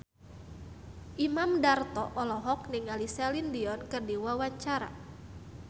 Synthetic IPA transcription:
ʔimamdart̪ɔ̰ʔɔlɔɦɔk̚niŋalisɛlindiɔnkɨrdiwawaɲt͡ʃaɾa̰

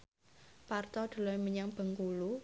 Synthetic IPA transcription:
part̪ɔd̪̥ṳlɔjməɲaŋb̥ə̤ŋkulu

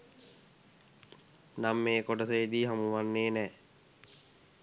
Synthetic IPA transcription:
namːeːkoʈəseːd̪iːɦamuʋanːeːnɛː

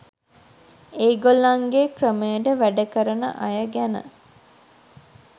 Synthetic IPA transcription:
eːɡolːaŋɡekrəməjəɖəʋæɖəkəɾənə̰ʔajəɡænə̰

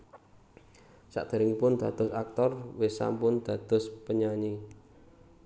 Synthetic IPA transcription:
sa̰ʔd̪̥a̤ɾɪŋipʊnd̪̥a̤d̪̥ɔsak̚t̪ɔrwɪsa̰mpʊnd̪̥a̤d̪̥ʊ̤spəɲaɲi

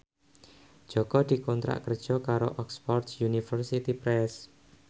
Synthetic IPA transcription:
ʒ̥ɔkɔd̪̥i̤kɔnt̪ɾa̰ʔkər̥ʒ̥ɔkaɾoʔɔkspɔrt̪sjunifərsit̪ipɾɛs

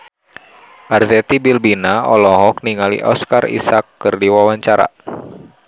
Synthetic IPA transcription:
ʔarzɛt̪ibilbinaɔlɔɦɔk̚niŋalḭʔɔskarḭsakːɨrdiwawaɲt͡ʃaɾa̰

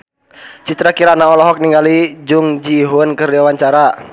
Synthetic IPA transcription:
t͡ʃit̪ɾakiɾanaɔlɔɦɔk̚niŋɡalid͡ʒuŋd͡ʒiɦunkɨrdiawaɲt͡ʃaɾa

